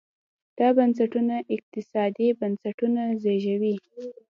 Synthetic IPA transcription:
d̪̥ɑbansaʈunaʔɪq̚t̪ɪsɑd̪ibansaʈunazeʒawi

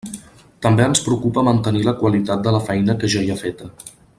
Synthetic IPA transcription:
t̪əmbeənspɾukupəmənt̪əniləkwəlit̪at̪̚d̪ələfɛjnəkəʒaiəfet̪ə

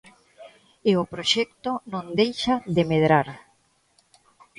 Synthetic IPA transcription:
eopɾoʃɛk̚t̪onõnd̪ejʃaðemeðɾaɾ

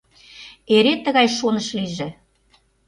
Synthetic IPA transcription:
eɾet̪ːə̆ɣɑjʃonəʃliʒĕ

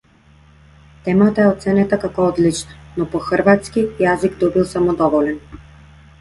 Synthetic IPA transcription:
t̪ɛmat̪aɛɔt̪sɛnɛt̪akakɔɔd̪lit͡ʃnanɔpɔxəɾvat̪skijaziɡd̪ɔbilˠsamɔd̪ɔvɔlɛn

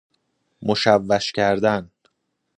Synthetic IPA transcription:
moʃævːæʃcʰæɾd̪æn

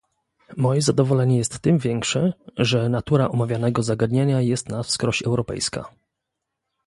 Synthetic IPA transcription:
mɔjɛzad̪ɔvɔlɛɲɛjɛst̪ːɘmvʲjɛŋkʂɛʐɛnat̪uɾaʔɔmavʲjanɛɡɔzaɡad̪ɲeɲajɛst̪nafskɾɔɕɛwɾɔpɛ̰jska̰

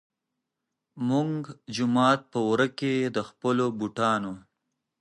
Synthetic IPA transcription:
muŋɡd͡ʒʊmɑt̪̚pəwɾəked̪əxpəlobuʈɑno

